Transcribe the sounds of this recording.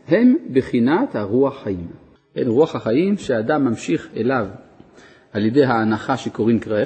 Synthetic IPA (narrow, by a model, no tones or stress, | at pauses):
he̞mbeχinat̪haʁuaχhajim | hḛnʁuaχhaχajimʃead̪amːamʃiχḛlav | aljed̪ejɦaːnaχaʃekoʁimkʁae